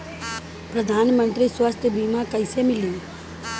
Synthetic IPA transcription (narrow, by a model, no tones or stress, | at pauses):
pɾəd̪ʱaːnmə̃nt̪ɾiswəst̪ʰjəbiːmãkəɪsemɪlĩː